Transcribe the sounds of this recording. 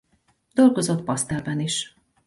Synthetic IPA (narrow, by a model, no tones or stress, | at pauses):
d̪̥o̞lɡo̞zo̞t̪pɒst̪ɛlbɛniʃ